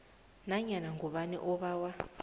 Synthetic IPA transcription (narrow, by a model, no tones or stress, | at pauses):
naɲanaŋɡɔɓanḭʔɔβawa